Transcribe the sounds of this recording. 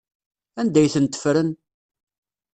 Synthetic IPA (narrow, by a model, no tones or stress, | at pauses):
ænd̪æjθənt̪ːə̥fɾən